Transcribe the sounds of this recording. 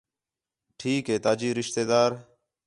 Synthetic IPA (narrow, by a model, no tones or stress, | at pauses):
ʈʰiːkɦeːt̪aːd͡ʒiːɾɪʃt̪eːd̪aːɾ